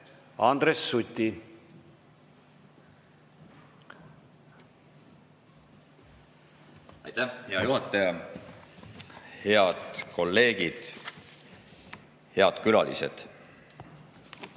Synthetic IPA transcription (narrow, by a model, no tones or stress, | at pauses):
ɑnd̪̥ɾesːut̪ʲːi | ɑ̰jt̪æhhe̞ɑjuɦɑt̪ːˑɑjɑ | he̞ɑd̪̥ko̞lːe̞ːɡ̥id̪̥ | he̞ɑd̪̥kylɑ̰lḭsḛd̪̥